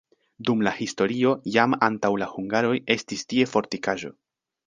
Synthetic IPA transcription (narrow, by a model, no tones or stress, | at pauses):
dumlahisto̞ɾio̞jamantawlahuŋɡaɾo̞je̞stistie̞fo̞ɾtikaʒo̞̰